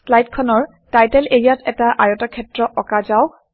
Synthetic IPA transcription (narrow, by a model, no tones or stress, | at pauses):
slajtkʰɔnɔɹ | tajtɛleɹijatɛtaʔaɹɔtakʰɛtɹɔʔɔkazaw